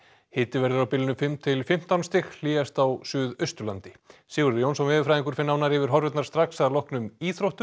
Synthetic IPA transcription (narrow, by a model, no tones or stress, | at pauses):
hɪːt̪ɪvɛɾðʏɾawpɪlɪnʏmfɪmt̪ʰɪlfɪm̥t̪awnst̪ɪxl̥iːɣast̪awsʏːðœɥst̪ʏlant̪ɪsiːɣʏɾɾjownsɔnvɛːðɪfɾajðiŋkʏɾ̥fɪnːawnaɾɪvɪɾ̥ɦɔɾvɛt̪naɾ̥st̪ɾaksaðlɔhknʏmiːθɾowht̪ʏ